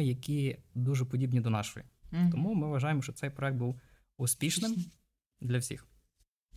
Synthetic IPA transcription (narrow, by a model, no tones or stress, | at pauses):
ɪjɐkʲid̪uʒɛpɔdʲibnʲid̪ɔnɑʃɔ̰jḭt̪ɔmumɪʋʋɐʒɑjemɔʃt͡ʃɔt̪ɛjpɾɔɛk̚t̪̚buw | ʊspʲiʃnɪm | d̪lʲɐwsʲḭx